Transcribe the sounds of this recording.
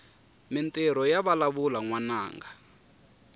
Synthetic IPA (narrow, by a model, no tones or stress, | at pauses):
mɛntʼɛɾɔjaβalaβulaŋwanaːŋɡa